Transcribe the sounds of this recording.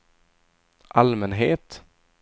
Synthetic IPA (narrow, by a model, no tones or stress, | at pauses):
ʔalmɛnɦeːt̪